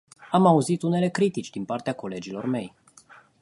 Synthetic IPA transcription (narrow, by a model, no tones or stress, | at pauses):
amauzit̪une̞le̞kɾit̪it͡ʃʲd̪inpart̪eako̞le̞d͡ʒilo̞rme̞j